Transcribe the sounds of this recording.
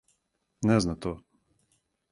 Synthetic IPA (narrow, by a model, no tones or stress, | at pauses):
nɛznat̪o